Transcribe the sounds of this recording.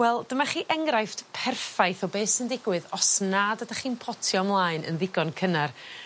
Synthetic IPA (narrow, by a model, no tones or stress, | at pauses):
wɛlˠd̥əmaχiːʔɛŋrajftpʰɛrfajθɔbeːsəndɪɡwɨðɔsnadədaχiːnpʰɔtʰiɔmlˠaːjnʔə̰nðɪɡɔnkʰənar